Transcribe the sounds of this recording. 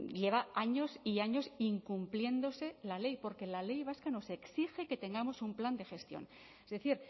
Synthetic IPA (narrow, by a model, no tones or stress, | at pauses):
ʎe̞β̞aaɲo̞siaɲo̞siŋkumplje̞nd̪ose̞lale̞jpo̞ɾke̞lale̞jβ̞askano̞se̞ksixe̞ke̞t̪e̞ŋɡamo̞sumpland̪e̞xe̞st̪jo̞̰n | ezðe̞θiɾ